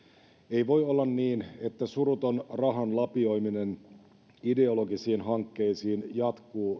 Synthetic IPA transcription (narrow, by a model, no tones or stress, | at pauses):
e̞jʋo̞jolːɑnniːne̞t̪ːæsuɾut̪o̞nrɑɦɑnlɑpio̞jminen | ide̞olo̞ɡisiːnɦɑŋkːe̞isiːnjɑt̪kuː